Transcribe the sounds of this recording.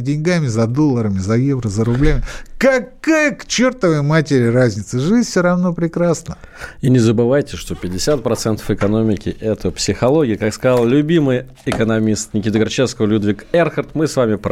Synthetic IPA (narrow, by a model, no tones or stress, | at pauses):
dʲɪnʲɡamʲɪzɐd̪o̞lˠːəɾəmʲɪzɐjevɾəzəɾʊblʲamʲɪkɐkajəkt͡ɕert̪əvəjəmatʲɪɾʲɪrazʲnʲɪt̪səʐɨzʲfʲsʲoɾɐvno̞pɾʲɪkɾasnəinʲɪzəbɨvajtʲɪʂt̪opʲɪdʲɪsʲat̪̚pɾɐt̪sɛnt̪ə̥fɨkɐno̞mʲɪkʲɪʔɛt̪əpsʲɪxɐlˠoɡʲɪjəkakskɐzalˠlʲʊbʲimɨj | ɪkənɐmʲist̪nʲɪkʲit̪əɡɐrt͡ɕefskəvəlʲud̪vʲɪkɛrxərt̪mɨsvamʲɪp